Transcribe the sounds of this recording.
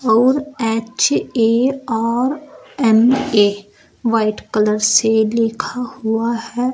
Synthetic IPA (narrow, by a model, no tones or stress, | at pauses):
ɔːɾɛːt͡ʃeɔːɾɛmeː | ʋaːɪʈkələɾselɪkʰahʊahɛː